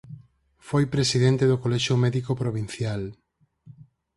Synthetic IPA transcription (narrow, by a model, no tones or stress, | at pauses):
fojpɾesiðɛnt̪eðokolɛʃomɛðikopɾoβ̞in̟θjal